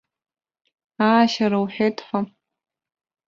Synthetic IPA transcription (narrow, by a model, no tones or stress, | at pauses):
aːʃaɾawħʷᶣetʰħʷa